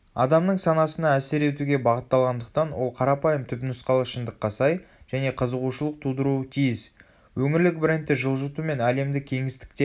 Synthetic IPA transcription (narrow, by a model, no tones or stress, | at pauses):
ɑ̰d̪ɑmnəɴsɑnɑsənɑæse̞ɾe̞t̪uɡʲe̞bɑʁət̪ːɑlˠʁɑnd̪əq̚t̪ɑnwo̞̰lˠqʰɑɾɑpɑjəmt̪ʰʏpnʊsqɑlˠəʃənd̪əqːɑsɑj | ʒ̥æne̞qʰəzəʁuʃəlˠəq̚t̪ʰud̪əɾuət̪ʰijɪs | wɵŋɪɾlɪk̚bɪɾent̪ːɪʒəlˠʒət̪ume̞næle̞md̪ɪkʲʰe̞ŋɪst̪ɪ̥k̚t̪e